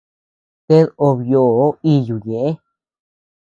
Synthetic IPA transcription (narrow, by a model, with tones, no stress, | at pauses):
t̪e˦ðo˧βjo˧˨˦i˧ju˨ɲẽ˨ʔẽ˦